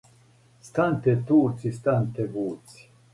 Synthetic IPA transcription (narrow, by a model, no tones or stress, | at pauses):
st̪ant̪et̪uːt͡sist̪ant̪eɡuːt͡si̥